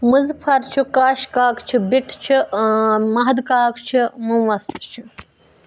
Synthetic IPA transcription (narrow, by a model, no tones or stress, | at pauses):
mɨzpʰɐɾt͡ʃʰikaːʃkaːkt͡ʃʰibiʈʰt͡ʃʰi | mɐɦd̪kaːkt͡ʃʰimumʋɐst̪t͡ʃʰi